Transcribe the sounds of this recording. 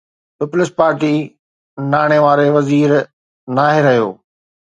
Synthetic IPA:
pɪpʊlɪspaːɾʈi | naːɽ̃eʋaːɾeʋɐziːɾ | naːɦɪɾɐɦijo̰ː

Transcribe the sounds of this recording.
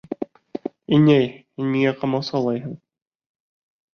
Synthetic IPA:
inæjhinmiŋæqʰɑmɑwsɑlˠɑjɦɤɴ

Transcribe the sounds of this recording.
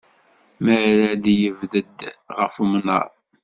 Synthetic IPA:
məʕɾæd̪jəvðəd̪ʁəfumnə̰ɾˤ

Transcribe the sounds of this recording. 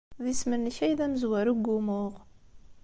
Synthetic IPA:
ðisməɾniçæjðæməzwæɾuɡːumʊʁ

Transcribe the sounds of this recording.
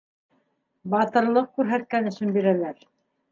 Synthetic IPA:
bɑt̪ɤ̆ɾlˠɤq̚kʉɾɦæt̪̚kænɘ̆ʃɘnbiɾælæɾ

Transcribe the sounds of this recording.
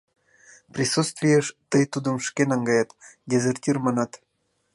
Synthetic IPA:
prʲisut̪st̪vʲijeʃt̪əjt̪ud̪ə̆mʃkʲenɑŋɡɑjɑt̪dʲezʲerʲtʲirmɑnɑt̪

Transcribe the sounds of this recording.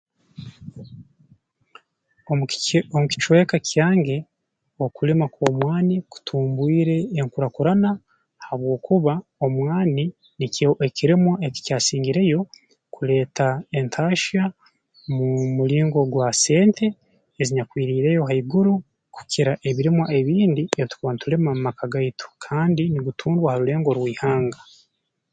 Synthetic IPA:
omuki̥t͡ʃwe̞ːkacʰjaːŋɡe̞ | okulemakomwaːniku̥tʰuːmbwiːɾe̞ːŋkuɾakuɾana | haβwo̞ːkʰuβaomwaːni | nikoʔekiɾemwae̞ci̥caːsiːŋɡiɾe̞jo̞ | kuɾe̞ːtʰae̞ntʰaːʃa | mumuɾiːŋɡo̞ɡwase̞ːntʰe̞ | eziɲakwiːɾiːɾe̞joɦaiɡuɾu | ku̥kʰiɾaʔe̞βiɾemwae̞βiːndieβit̪u̥kuβanituɾe̞mwamumakʰaɡaitʰo̥kʰaːndiniɡutʰuːndwahaɾuɾe̞ːŋɡo̞ɾwiːhaːŋɡa

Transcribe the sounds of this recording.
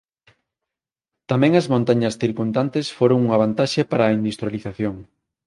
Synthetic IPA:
t̪amɛ̃ŋɐzmõnt̪aɲɐsθiɾkund̪ant̪esfoɾoŋuŋaβ̞ant̪aʃepaɾaːind̪ust̪ɾjaliθaθjoŋ

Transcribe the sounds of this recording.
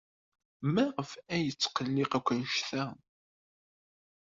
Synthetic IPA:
mæʁəfæjət͡sːqəlːɪqækʷːənʃθæ

